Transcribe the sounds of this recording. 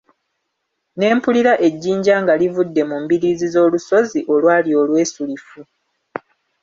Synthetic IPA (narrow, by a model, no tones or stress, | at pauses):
ne̞ːmpuliɾaʔe̞ɟːiːɲɟaːŋɡalivudːe̞mumbiɾiːzizo̞ːluso̞ziʔo̞lwaːlio̞ːlwe̞ːsulifu